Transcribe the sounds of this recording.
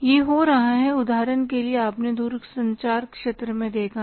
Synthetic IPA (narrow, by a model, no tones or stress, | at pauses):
jeːɦoɾɐɦaɦɛʊd̪aːɾənkelieaːpned̪uːɾsɐ̃ɲt͡ʃaːɾkʃeːt̪ɾəmẽd̪eːkʰa